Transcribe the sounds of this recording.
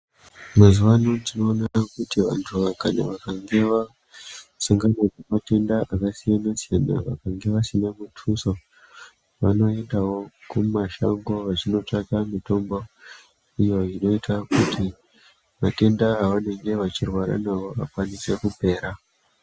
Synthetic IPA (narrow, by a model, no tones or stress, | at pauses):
mazuʋanotino̞ːnakutiʋa̰ntʰuʋakana̰ʋakaŋɡe̞ʋa | saŋɡanakemate̞ndaʔakasijanasijana̰ʋa̰kaŋɡe̞ʋasinamutʰuso | ʋa̰no̞e̞ndawo̞kumaʃa̰ŋɡo̞ʋat͡ʃino̞takamito̞mbo̞ | ijo̞ino̞itʰakutʰi | mate̞ndaaʋane̞ŋɡe̞ʋat͡ʃirwaɾa̰nawo̞a̰kwanise̞kupe̞ːɾa